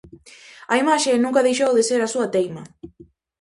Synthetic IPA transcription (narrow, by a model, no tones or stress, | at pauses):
ajmaːʃeːnuŋkaðiʃowlˠiseɾasuad̪ejma